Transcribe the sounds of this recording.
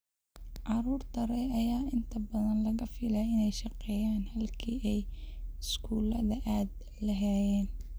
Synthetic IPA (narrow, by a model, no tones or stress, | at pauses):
ʔɑɾuːrt̪ʰɐɾɛjɐjaːɪnt̪ʰɐbɐðɐnlɐɣɐfɪlɛɪnɛjʃɑqɛːjaːnhɐlkʰḭːʔɛjɪskʰuːlɐðɐʔaːd̪ | lɐɦɛːjɛːn